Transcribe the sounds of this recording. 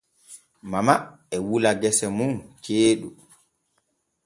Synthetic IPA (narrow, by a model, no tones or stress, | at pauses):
mama | ɛwulaɡɛsɛmunt͡ʃeːɗu